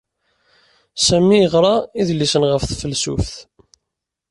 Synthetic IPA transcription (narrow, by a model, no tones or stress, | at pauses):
sæmːiəʁɾˤɑiðlisənʁəfθfəlsṵfθ